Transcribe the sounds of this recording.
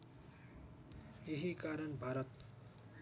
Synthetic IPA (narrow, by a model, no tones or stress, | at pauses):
jeɦikaɾʌnbʱaɾʌt̪̚